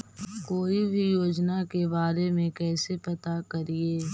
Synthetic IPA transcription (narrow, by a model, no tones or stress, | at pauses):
koːibʱijoːd͡ʒnakebaːɾemẽkɛːsepɐt̪akɐɾieː